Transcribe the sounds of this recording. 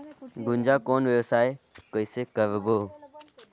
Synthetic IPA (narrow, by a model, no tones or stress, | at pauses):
ɡʊnd͡ʒaːkoːnʋeosaːɦekəisekəʋeboː